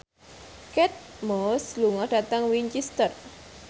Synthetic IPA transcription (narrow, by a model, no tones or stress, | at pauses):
kɛt̪̚mɔsluŋɔɖ̥a̤t̪aŋwiɲt͡ʃist̪ər